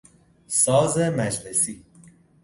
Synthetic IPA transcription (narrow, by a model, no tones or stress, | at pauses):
sɒːzemæd͡ʒlesiː